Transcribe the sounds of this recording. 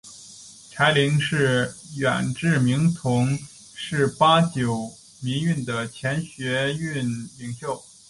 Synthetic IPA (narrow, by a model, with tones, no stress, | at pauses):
t͡sʰa˧˥ɪli˧˥ŋʂɻ̩˥˩ɥɛ̰˨˩nʈ͡ʂɻ̩˥˧mi˧˥ŋt̪ʰʊ˧˥ŋ | ʂɻ̩˥˩pa˥t͡ɕjo˨˩ʊ | mi˧˥ŋy˥˩nd̪ə˩t͡ɕʰjɛ˧˥nɕɥɛ˧˥y˥˩nli˨˩ŋɕjo˥˩ʊ